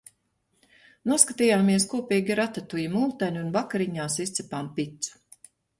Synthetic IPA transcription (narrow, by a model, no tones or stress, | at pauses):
nuɔskat̪iːjaːmiɛskuɔpiːɡʲiɾat̪at̪ujimulˠt̪aɲunvakaɾiɲaːsist̪sipaːmpit̪su̥